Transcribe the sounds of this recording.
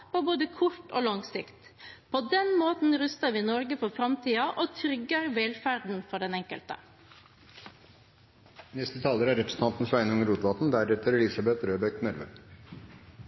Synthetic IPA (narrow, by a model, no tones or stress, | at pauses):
poboːd̪əkʰʊʈo̰ːlɑŋsɪkt̪ | pʰod̪ɛnmoːt̪n̩ɾʉst̪əɾʋɪːnɔɾɡəfɔfɾɑmt̪ʰiːɑʔoːt̪ʰɾʏɡːəɾʋɛlfæɾɖ̪n̩fɔɖɛnɛŋkə̰lt̪ə̰ | nɛst̪ət̪ʰɑːləɾæɾɛpɾəsn̩t̪ʰɑnt̪n̩sʋæɪnʊŋəɾuːt̪ʋɑt̪n̩d̪æɾɛt̪əɾɛlɪsɑbɛt̪ɾøːbɛknæɾʋə̰